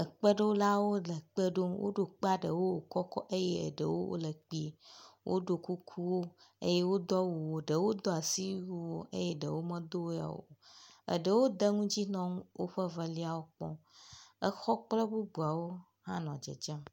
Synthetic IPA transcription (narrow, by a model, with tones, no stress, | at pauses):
ə˨k͡pə˦ɖə˦wo˦la˦wo˦lə˨k͡pə˦ɖo˦wʔo̰˦ɖo˨k͡pa˦ɖə˨wo˦wo˨kɔ˦kɔ˦ʔə˦je˦ə̰˨ɖə˨wo̰˦wo̰˦lə˨k͡pi˦˨wʔo̰˦ɖo˨ku˦kʰu˦wo˦ə̰˦je˦wo˦d̪ɔ˦wo˨wo˨ɖə˨wo˦d̪ɔ˦a˨si˦ju˦wo˦ʔə˦je˦ɖə˨wo˦mə̃˦d̪o˦wa̰˨wo̰˨ə̰˨ɖə˨wo˦d̪ə˦ŋũ˦d͡ʑi˦nɔ̃˦ŋ˦wo̰˦ɸə˦və˦li˦a˨wo˦k͡pɔ̰̃˦ə˦xɔ˦k͡plɛ˦bu˦bu˨a˨wo˦ | hã˦nɔ̃˨d͡ʒə̰˨d͡ʒa˦